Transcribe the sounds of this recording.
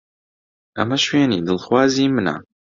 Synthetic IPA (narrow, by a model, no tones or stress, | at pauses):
ʔɐ̰mɐʃweːniːd̪ɨlxwaːziːmɨna̰